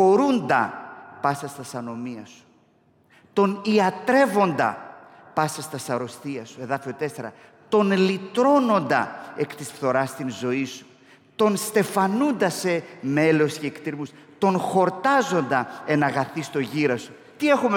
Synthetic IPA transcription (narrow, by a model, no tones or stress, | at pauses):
o̞ɾund̪ɐ̰pɐsɐst̪ɐsɐno̞miɐsu̥ | t̪o̞niɐt̪ɾe̞vo̞nd̪ɐ̰ | pɐsɐst̪ɐsɐɾo̞st̪iɐsue̞ðɐfio̞t̪e̞se̞ɾɐ̰ | t̪o̞nlit̪ɾo̞no̞nd̪ɐ̰ekt̪isfθo̞ɾɐst̪inzo̞isu̥ | t̪o̞nst̪e̞fɐnund̪ɐse̞me̞lo̞sceːkt̪iɾmus | t̪o̞nxo̞ɾt̪ɐzo̞nd̪ɐenɐɣɐθist̪o̞ʝiɾɐsu̥ | t̪ie̞xume